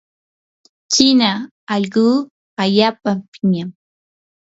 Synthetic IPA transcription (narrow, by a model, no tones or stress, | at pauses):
t͡ʃɪna | ɑʎɢuː | aʎaːpapɪɲam